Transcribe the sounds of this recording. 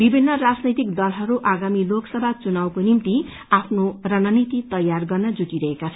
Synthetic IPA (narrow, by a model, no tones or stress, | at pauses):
bibʱinːʌrad͡znʌjt̪ikd̪ʌlɦʌɾuʔaɡamiloksʌbʱat͡sunawkonimt̪i | apʰnorʌnʌnit̪it̪ʌjarɡʌrnʌd͡zuʈiɾʌɦekat͡sʰʌ